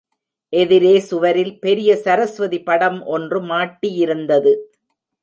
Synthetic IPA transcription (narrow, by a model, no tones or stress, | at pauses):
ʔɛðɪɾeːsʊʋɐɾɪlpɛɾɪjɐsɐɾɐsʋɐðipɐɽɐmʔɔndrɯmaːʈːijɪɾɯnd̪ɐðɯ